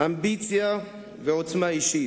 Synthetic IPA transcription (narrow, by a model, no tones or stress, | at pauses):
ambit͡sia | vɛtʰmaiʃi